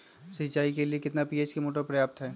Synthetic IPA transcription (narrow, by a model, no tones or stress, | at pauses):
sit͡ʃaːikeliekɪt̪napiːeːt͡ʃkemoːʈ̬əɾpɾɐjaːp̚t̪ɦɛː